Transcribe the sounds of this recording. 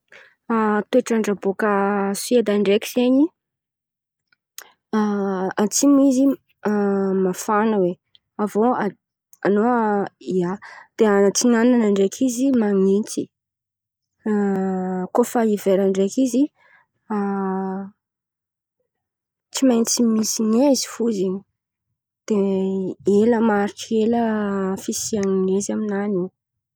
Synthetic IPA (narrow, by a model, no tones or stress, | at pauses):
at̪eʈ͡ʂaɳɖ͡ʐabokəsued̪aɳɖ͡ʐekʲiz̥eɲi | at͡simizi | mafanəwe | avoa | anoiad̪̥eat͡siŋananaɳɖ͡ʐekʰizimaŋit͡si | kofaiveɾaɳɖ͡ʐekizi | a | t͡simajnt͡simisinezi̥fuziɲi | d̪̥e | eləmaɾiʈ͡ʂeləfisiaŋinezaminani